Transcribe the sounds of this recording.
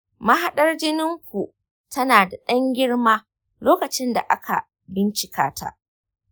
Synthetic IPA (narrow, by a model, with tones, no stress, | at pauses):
ma˦ɦa˦ɗɐ˦rd͡ʒɪ˦nɪ˦ŋkʷu˨ʔ | tɐ˦naː˨da˨ɗɐ˦ŋɡʲɪ˦ɽmaː˦ | loː˦kɐ˨t͡ʃɪ˦nda̰˨ʔa˦kʰa̰˨ | bɪ˦nt͡ʃɪ˨ka̰ː˦tʰa̰ː˦